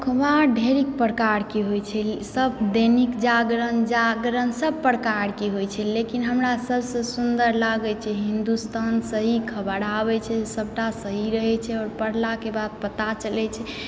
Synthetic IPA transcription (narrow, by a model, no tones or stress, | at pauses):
kʰbaɖʱeɾik̚pəɾəkaɾkeɦojt͡ʃʰɛsəbd̪enikd͡ʒaɡɾənd͡ʒaɡɾənsəb̚pəɾkaɾkeɦojt͡ʃʰɛlekinɦəmɾasəbsə̃sund̪əɾlaɡɛt͡ʃʰɛɦind̪ust̪ʰansəɦikʰəbəɽabɛt͡ʃʰɛsəb̚ʱʈasəɦiɾəɦɛt͡ʃʰɛɔːɾpəɽ̤lakebad̪̚pət̪at͡ʃəlɛt͡ʃʰɛ